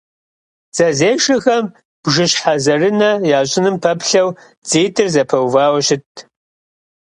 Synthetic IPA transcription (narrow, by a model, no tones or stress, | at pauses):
z̥ɐzeːʂɐxɐm | b̥ʒɨɕħazɐrɨnɐjaːɕʼɪnɨmpʰɐpɬɐw | t͡seːtʰɨrzɐpʰɐwvaːwɕɪtʰ